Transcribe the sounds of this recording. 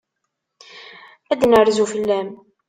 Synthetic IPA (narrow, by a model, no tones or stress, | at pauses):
æd̪nəɾzufəlːæm